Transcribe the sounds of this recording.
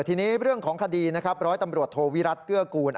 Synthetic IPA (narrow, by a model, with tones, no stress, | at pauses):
t̪ʰiː˧niː˦˥ɾɯ˥˩əŋkʰɔː˩˦ŋkʰa˧diː˧na˦˥kʰa˦˥p̚ɾɔː˦˥jt̪a˧mɾu˨˩ət̪ʰːoː˧wi˦˥ɾa˦˥t̪̚kɯ˥˩əkuː˧nʔ